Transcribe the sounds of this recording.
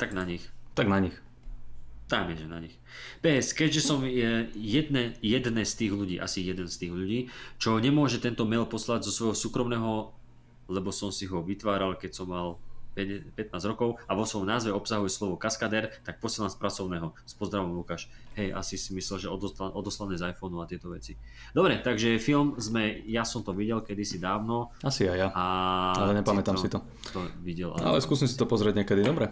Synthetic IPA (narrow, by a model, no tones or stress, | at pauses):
t̪aɡnaɲixt̪aɡnaɲix | t̪amɪɛʒɛnaɲix | pɛɛskɛɟʒɛsɔmjɛjɛd̪̚nɛjɛd̪nɛst̪iːɣʎuɟiːʔa̰sijɛd̪ɛnst̪iːɣʎuɟiːt͡ʃɔɲɛmʊɔʒɛt̪ɛnt̪ɔmɛlpɔslaɟzɔsʋɔjɦɔsuːkɾɔmnɛːɦɔ | lɛbɔsɔmsiɦɔʋit̪ʋaːɾalkɛcsɔmːalpɛpɛt̪̚naːzɾɔkɔʊaʋɔsʋɔmnaːzʋɛɔpsaɦujɛslɔʋɔkaskad̪ɛɾt̪ak̚pɔsiɛlanspɾat͡sɔʊnɛːɦɔspɔzd̪ɾaʋɔmlukaːʃ | ɦɛjʔa̰sisimislɛlʒɛɔd̪ɔaʔɔd̪ɔslanɛzajfɔnuat̪ɪɛt̪ɔʋɛt͡si | d̪ɔbɾɛt̪aɡʒɛfilmzmɛjasɔmt̪ɔʋiɟɛlkɛd̪isid̪aːʊnɔasiajaaalɛɲɛpamɛt̪amsit̪ɔ | t̪ɔʋiɟɛla̰a̰lɛskuːsimsit̪ɔpɔzɾɪɛɟɲɛkɛd̪id̪ɔbɾɛ